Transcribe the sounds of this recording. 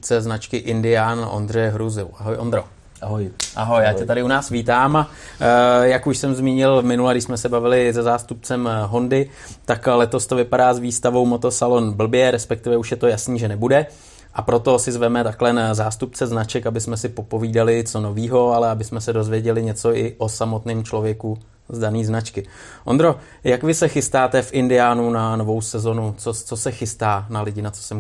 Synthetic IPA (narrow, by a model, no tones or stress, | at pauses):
t͡sɛznat͡ʃkɪʔɪndɪjaːnʔo̞̰nd̪rɛjɦɾuzɪlʔaɦojond̪ɾo | ɦjʔaɦo̞jjaːcɛt̪adɪʔunaːsviːt̪aːma | jakuʃsɛmzmiːɲɪlmɪnulaɡdɪʃsmɛsɛbavɪlɪzɛzaːst̪up̚t͡sɛmɦo̞ndɪ | t̪aklɛt̪o̞st̪o̞vɪpadaːzviːst̪avo̞wmo̞t̪o̞salo̞nbl̩bjɛɾɛspɛk̚t̪ɪvɛuʃjɛt̪o̞jasniːʒɛnɛbudɛ | ʔapɾo̞t̪o̞sɪzvɛmɛt̪aklɛnazaːst̪upt͡sɛznat͡ʃɛkabɪsmɛsɪpo̞po̞viːdalɪt͡so̞no̞viːɦo̞alɛabɪsmɛsɛdo̞zvjɛɟɛlɪɲɛt͡so̞ʔɪʔo̞samo̞t̪nɪːmt͡ʃlo̞vjɛku | zdaniːznat͡ʃkɪ | ʔo̰nd̪ɾo̞ | jakvɪsɛxɪst̪aːt̪ɛfʔɪndɪaːnunano̞vo̞wsɛzo̞nut͡sot͡so̞sɛxɪst̪aːnalɪɟɪnat͡so̥sɛm